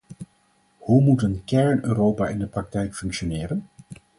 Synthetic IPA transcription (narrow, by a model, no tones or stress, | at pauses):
humutənkɛɹnøːrowpaːʔɪndəprɑk̚tɛjkfɵŋkʃonɪːrən